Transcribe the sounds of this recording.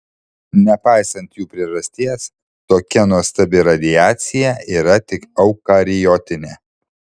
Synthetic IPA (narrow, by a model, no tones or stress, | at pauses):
nʲɛpɑɪsɐnt̪juːpʲɾʲɪʒɐsʲt̪ʲiɛs | t̪oːkʲɛnuɔst̪ɐbʲɪɾɐd̪ʲɪjæːt̪sʲɪjɛiːɾɐt̪ʲɪkɐʊkɐɾʲɪjɔːt̪ʲɪnʲeː